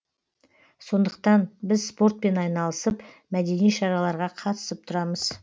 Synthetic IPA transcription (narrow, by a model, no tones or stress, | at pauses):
so̞nd̪əq̚t̪ɑnbɪzspo̞rt̪̚pe̞nɑjnɑlˠəsəp | mæd̪e̞nijʃɑɾɑlˠɑɾʁɑqʰɑt̪ə̥səp̚t̪ʰʊɾɑməz̥